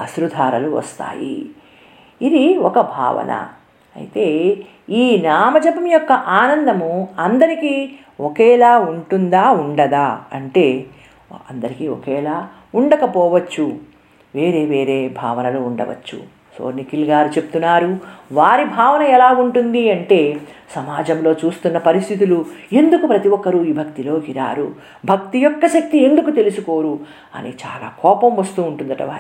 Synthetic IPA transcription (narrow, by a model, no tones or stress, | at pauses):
ɐsɾud̪ʱaːɾɐluʋɐ̰st̪a̰ːjḭ | id̪iɔkɐbʱa̰ːʋɐ̰nɐ̰ | ɐ̰jit̪e̞ː | iːnaːmɐd͡ʒɐpɐmjɔkːɐʔaːnɐnd̪ɐmuɐnd̪ɐɾikiː | ɔkɛːlaːuɳʈund̪aːuɳɖɐd̪aːɐ̰ɳʈe̞ː | ɐnd̪ɐɾikiːɔ̰kɛːlaː | uɳɖɐkɐpɔːʋɐt͡ʃːu | ʋe̞ːɾe̞ːʋe̞ːɾeːbʱa̰ːʋɐnɐlouɳɖɐ̰ʋɐ̰t͡ʃːṵ | so̰ːnikilɡaːɾit͡ʃe̞put̪unːaːɾuʋaːɾibʱaːʋɐnɐɛlaːuɳʈund̪iɐɳʈe̞ːsɐmaːd͡ʒɐmlo̞ːt͡ʃuːst̪unːɐpɐɾist̪ʰit̪ulue̞nd̪ukupɾɐt̪iʋɔkːɐɾuiːbʱɐkt̪ilo̞ːɡiɾa̰ːɾu | bʱɐkt̪ijɔkːɐʃɐk̚t̪ie̞nd̪ukut̪e̞lusuko̞ːɾu | ɐ̰nḛt͡ʃa̰ːla̰ːkɔːpɐmʋɐst̪uːuɳʈund̪ɐʈɐ̰ʋa̰ːɾ